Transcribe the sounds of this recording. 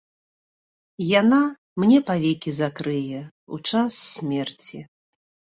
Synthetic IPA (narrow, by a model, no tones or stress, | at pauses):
jana | mnʲɛpavʲɛkʲizakɾɨjɛ | ṵt͡ʂasːʲmʲɛrt͡sʲi